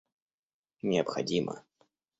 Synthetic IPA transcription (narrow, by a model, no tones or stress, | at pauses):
nʲɪəpxɐ̰dʲimʔə̰